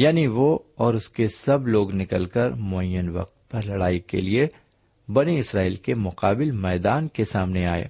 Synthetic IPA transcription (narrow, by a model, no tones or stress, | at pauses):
jaːniʋoɔːɾʊskesɐbloːɡnɪkəlkəɾmoːjənʋɐ̰q̚t̪̚pɐɾlɐɽaːikḛlie | bɐniɪsɾaːiːlkemʊqaːbɪlmɛːd̪aːnkesaːmneaːḛː